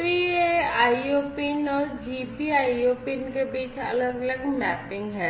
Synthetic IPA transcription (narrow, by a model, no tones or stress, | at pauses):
ɾieaːioːpinɔːɾd͡ʒiːpiaːioːpɪnkebiːt͡ʃʰɐ̰ləɡələɡmɛ̰ːpɪ̃ŋɡɦɛː